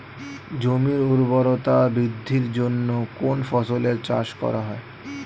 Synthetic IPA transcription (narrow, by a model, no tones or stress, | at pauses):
d͡ʑomiɾuɾboɾot̪abɾid̪ʱːiɾd͡ʑonːokonfɔsoleɾt͡ɕa̰ʃkɔ̰ɾaɦɔe